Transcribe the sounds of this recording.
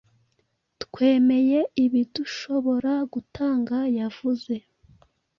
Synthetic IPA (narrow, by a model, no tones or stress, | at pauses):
tkwe̞ːme̞je̞iβiduʃo̞βo̞ɾaɡutʰaːŋɡajav̥uze̞